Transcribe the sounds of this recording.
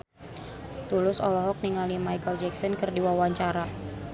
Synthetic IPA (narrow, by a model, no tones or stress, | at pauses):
t̪ulʊsɔlɔɦɔk̚niŋalimajkəld͡ʒɛksɔnkɨrdiwawaɲt͡ʃaɾa